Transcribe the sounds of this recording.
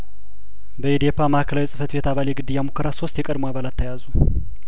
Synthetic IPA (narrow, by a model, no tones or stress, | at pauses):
bəed̪ijepːamahkʰəlawjsʼɨfət̪be̞t̪aβaljɛɡɨd̪ːɨjamukʰːəɾaso̞st̪jɛkʼəd̪moaβalat̪ʰːəjazu